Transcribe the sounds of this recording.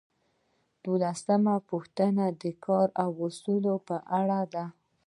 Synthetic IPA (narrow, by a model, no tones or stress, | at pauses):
d̪̥olasəmapuxt̪ənad̪əkʰɑɾawasulopəʔaɽad̪a